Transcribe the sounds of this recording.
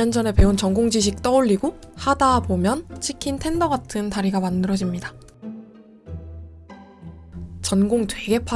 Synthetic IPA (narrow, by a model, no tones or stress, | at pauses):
ʌnd͡ʑʌne̞pe̞unt͡ɕʌŋɡoŋd͡ʑiɕ̬ʰik̚t͈ʌuʎːiɡohadabomjʌnt͡ɕʰikʰintʰe̞ndʌɡatʰɯntaɾiɡamanːɯɾʌd͡ʑimɲida | t͡ɕʌnɡoŋtwe̞ɡe̞pʰa